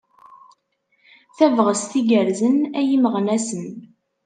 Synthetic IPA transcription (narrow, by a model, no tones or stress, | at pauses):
θævʁəsθiɡəɾzənæjiməʁnæsən